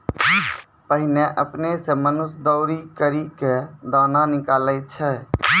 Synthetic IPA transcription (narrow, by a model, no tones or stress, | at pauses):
pəɦɪneʔəpnesemənʊsd̪əʊɾikəɾiked̪aːnanɪkaːlət̪̚t͡ʃʰɛ